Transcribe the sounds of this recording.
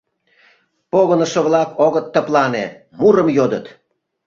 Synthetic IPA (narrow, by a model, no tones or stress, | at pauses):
poɣənəʃə̆βlɑkoɣət̪ːəplɑne | muɾəmjod̪ət̪